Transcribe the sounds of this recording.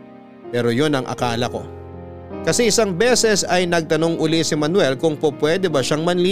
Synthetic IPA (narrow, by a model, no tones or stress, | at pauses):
pɛːɾo̞jonɐŋʔɐ̰kaːlɐko̞̰ | kɐsɛɪsɐŋbɛːsɛsɐjnɐɡ̚t̪ɐno̞ŋʔʊlisɪmɐnwɛlkʊŋpopwɛːd̪ɛbɐʃaŋmɐnli